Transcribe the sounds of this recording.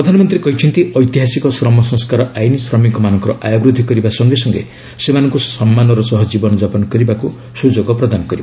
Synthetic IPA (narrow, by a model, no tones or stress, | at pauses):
ɾɔd̪ʱanɔmɔnt̪ɾikɔɦit͡ʃʰint̪iɔjt̪iɦasikɔsɾɔmɔsɔ̃ŋskaɾɔʔajnisɾɔmiŋkɔmanɔŋkɔɾɔʔajɔbɾud̪ʱikɔɾibasɔŋɡesɔŋɡḛ | semanɔ̃ŋkusɔmːanɔɾɔsɔɦɔd͡ʒibɔnɔd͡ʒapɔnɔkɔɾibaku | sud͡ʒoɡɔpɾɔd̪anɔkɔɾibaa